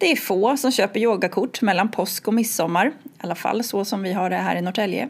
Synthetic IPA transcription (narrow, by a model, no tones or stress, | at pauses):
d̪̥ɛæɾfoːsɔmɕøːpəɾjoːɡakʰʊʈːmɛlːanpʰɔskɔmɪsːɔmːaɾalːafa̰lːsɔsɔmvɪɦaɖɛɦæ̰ːɾɪnɔʈʰɛljə̰